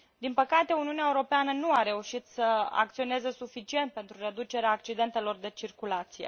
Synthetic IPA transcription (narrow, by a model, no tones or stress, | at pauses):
d̪inpəkat̪e̞uniuneaeuɾo̞peanənuaɾe̞uʃit̪səa̰kt̪sio̞ne̞zəsufit͡ʃie̞nt̪̚pe̞nt̪ɾure̞d̪ut͡ʃe̞ɾeaːkt͡ʃid̪e̞nt̪e̞lo̞rd̪e̞t͡ʃirkulat̪sijḛ